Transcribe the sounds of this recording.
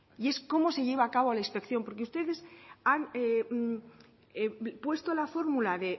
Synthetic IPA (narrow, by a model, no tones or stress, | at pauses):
ie̞sko̞mo̞se̞ʝeβ̞aːkaβolainspe̞kθjo̞mpo̞ɾkeust̪e̞ðe̞sane | pwe̞st̪olafo̞ɾmulaðe̞